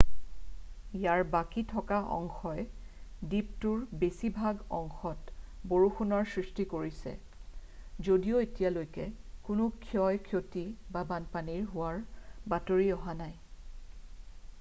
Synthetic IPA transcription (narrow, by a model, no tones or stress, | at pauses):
jaɹbakitʰɔkaʔɔ̰ŋxɔjdiptʊɹbesibʱaɡɔ̰ŋxɔtboɹuxunɔɹsɹistikoɹisɛ̰ | zodijoetijalojkɛkʊnʊkʰjɔjkʰjotibabanpaniɹɦʊwaɹbatoɹiɔɦanaj